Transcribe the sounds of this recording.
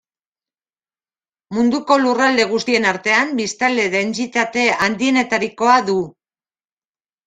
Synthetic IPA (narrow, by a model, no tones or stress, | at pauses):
mund̪uko̞lurald̪e̞ɣ̞ust̪ie̞naɾt̪e̞ambist̪ald̪e̞ðe̞nt͡sit̪at̪e̞and̪ie̞ne̞t̪aɾiko̞aðu